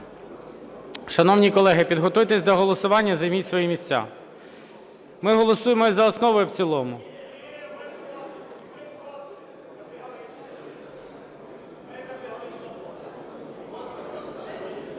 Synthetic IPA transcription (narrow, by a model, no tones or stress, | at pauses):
ʃɐnɔwnʲikɔlˠɛɦɪpʲid̪ɦɔt̪ujt̪ɛsʲd̪ɔɦɔlˠɔsʊʋɑnʲːɐzɐjmʲitʲsʋɔjimʲisʲt͡sʲːa̰ | mɪɦɔlˠɔsujemɔzɐɔsnɔʋɔjʊwt͡sʲilˠɔmʊ